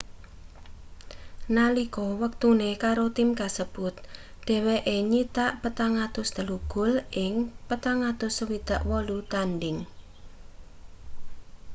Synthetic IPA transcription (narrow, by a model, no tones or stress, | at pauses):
nalikɔwək̚t̪unekaɾot̪ɪmkasəb̥ʊt̪̚ | ɖ̥ɛ̤weʔeɲit̪aʔpət̪aŋat̪ʊsd̪̥ə̤luɡ̥ʊ̤lʔɪŋpət̪aŋat̪ʊswid̪̥a̤ʔwɔlut̪anɖɪŋ